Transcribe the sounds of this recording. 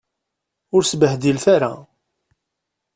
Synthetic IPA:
ʊɾsbəhd̪ilfaɾa̰

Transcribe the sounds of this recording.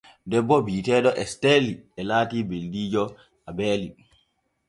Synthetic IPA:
dɛbːɔbiːtɛːɗɔʔɛsteliɛlaːtiːbeldiːd͡ʒɔ | abɛːli

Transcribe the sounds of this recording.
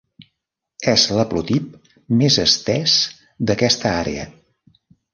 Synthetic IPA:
ɛzləplut̪ip̚ | mezəst̪ɛs | d̪əkɛst̪əaɾḛə̰

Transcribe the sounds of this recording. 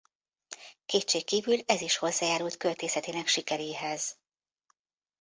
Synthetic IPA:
keːtt͡ʃeːkːiːvylɛziʃho̞zːaːjaːɾult̪kølt̪eːsɛt̪eːnɛkʃikɛɾeːɦɛz̥

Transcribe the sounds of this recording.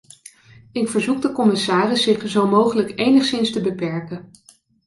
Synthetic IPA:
ɪkfəɹzuk̚dəkɔmɪsaːrɪsːɪχzowmowχələkejnəχsɪnstəbəpɛɹkə

